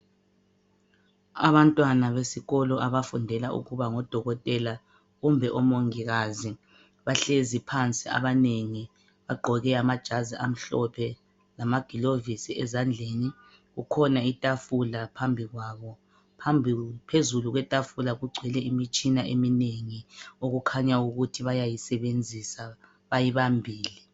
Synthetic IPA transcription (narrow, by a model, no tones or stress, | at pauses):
a̰βantʼwanaβesiɣɔlɔʔaβafundʱɛlaṵɣuβaŋɔd̥ʱɔɣɔtʼɛla | ɣumbʱɛʔɔmoŋiɣazi | βaɬezipʰant͡sʼia̰βaneŋi | βaɡ͡ǃʱɔɣɛamad̥ʒ̥ʱaziam̩ɬɔpʰɛ | lamaɡ̥ʱilovisiɛzand͡ɮʱeːni | ɣukʰɔnaitʼafulapʰambʱiɣwaβɔ | pʰambʱipʰezuluɣwɛtʼafulaɣuɡ͡ǀʱwɛlɛimit͡ʃʼinaʔemineŋioɣukʰaɲauɣutʰiβajajisɛβend͡zʱisa | βajiβambʱiːli